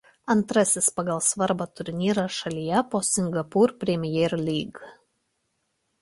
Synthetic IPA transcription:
ɐnt̪ɾɐsʲɪspɐɡɐlˠsʋɐɾbɐt̪ʊɾʲnʲiːɾɐʃɐlʲijɛpoːsʲɪŋɡɐpuːɾpʲɾʲɛmʲɪjɛːɾlʲiːɡ

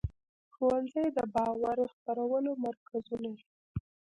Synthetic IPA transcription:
xowanzəjd̪əbɑwaɾxpaɾawəlomaɾkazunad̪i

